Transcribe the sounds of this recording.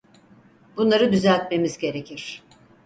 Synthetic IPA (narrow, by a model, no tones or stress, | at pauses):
bunlˠaɾɯd̪yzælʲt̪̚me̞mizɟe̞ɾe̞cʰiɾ̥